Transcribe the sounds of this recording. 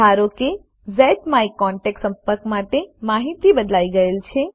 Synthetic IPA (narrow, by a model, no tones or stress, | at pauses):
aɾoke | zɛʈmaikːɔɳʈeksə̃mpəɾkmaʈemaɦit̪ibəd̪laiɡəelt͡ʃʰe